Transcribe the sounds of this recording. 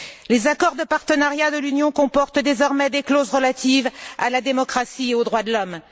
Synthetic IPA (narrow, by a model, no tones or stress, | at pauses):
lezakɔʁd̪əpaʁt̪ənaʁjad̪əlynjɔ̃kɔ̃pɔʁt̪d̪ezɔʁmɛd̪eklozʁəlat̪iva̰lad̪emɔkχasieod̪ʁwad̪əlɔm